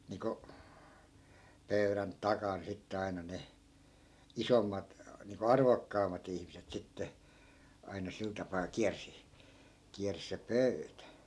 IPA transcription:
niko pøyræn tɑkɑn sitːe ɑinɑ ne isomːɑt niːŋko ɑrʋokːɑːmˑɑt ihmiset sitːe ɑinɑ sil tɑpɑː kiærsi kiærsĭ se pøytæ

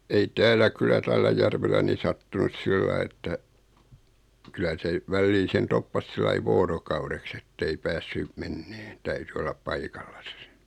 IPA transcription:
ei tæːlːæ kylːæ tælːæ jærʋelːæ ni sɑtːunus silːɑi etːæ kylæ se ʋælːiː sen topːɑs silːɑi ʋoːrokɑureks etːei pæːsːy menːeːn tæyty olːɑp pɑikɑlːɑsɑ̥ se

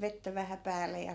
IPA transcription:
ʋetːæ ʋæhæ pæːle jɑ

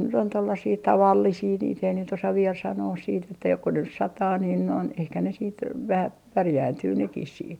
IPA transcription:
nyt on tolːɑsiː tɑʋɑlːisiː niːt ei nyt osɑ ʋiel sɑnoːs siːt etːæ joko nys sɑtɑː niːn noin ehkæ ne siːt ʋæhæ pærjæːntyː nekis siːt

